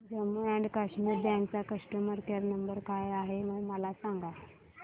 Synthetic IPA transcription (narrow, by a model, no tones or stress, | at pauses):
d͡zəməɛɳɖkəʂmiːɾd̪ãŋkt͡sakəsʈəməɾkeɾnəmbəɾkajaɦeməɡməlasãŋɡa